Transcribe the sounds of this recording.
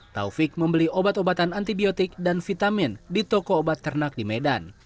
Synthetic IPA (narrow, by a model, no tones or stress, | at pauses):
t̪a̰ufik̚məmbəliobat̪obat̪anant̪ibiot̪ik̚danfit̪amindit̪okoːbat̪ːərnak̚dimɛdan